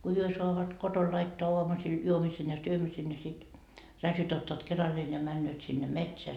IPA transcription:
ko hyø soɑʋɑt koton lɑitːoɑ oɑmusil juomisen jɑ syømisen jɑ sit rɑtjot otːɑːt kerɑlːeːn jɑ mænːøːt sinːe metseæ

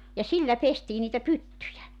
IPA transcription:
jɑ silːæ pestiː niːtæ pytːyjæ

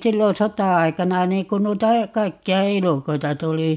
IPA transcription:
silːon̞ sotɑɑi̯kɑnɑ niːŋ kun nuitɑ kɑikːiɑ elukoitɑ tuli

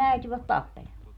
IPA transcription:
æityʋæt tɑpːelemɑː

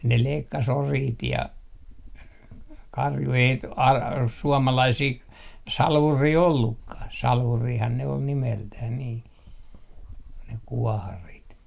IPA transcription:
ne leikːɑs oriːt jɑ kɑrju ei ɑl suomɑlɑisiː k sɑlʋuriː olːukːɑh sɑlʋuːrihɑn ne ol nimeltæh niː ne kuɔhɑrit

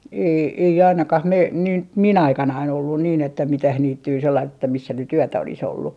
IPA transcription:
ei ei ɑinɑkɑh mei nin t min ɑikɑnɑin olːun niːn etːæ mitæh niːtːyː selːɑist etːæ misːæ nyt yøtæ olis olːu

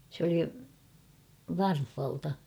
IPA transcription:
s oli ʋɑrfh̞ɑltɑ

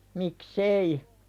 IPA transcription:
miks ei

